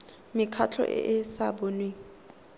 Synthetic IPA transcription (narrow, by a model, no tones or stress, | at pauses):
mɪkʰat͡ɬʰɔ̰ʔɪ̰ʔɪsaboːnwe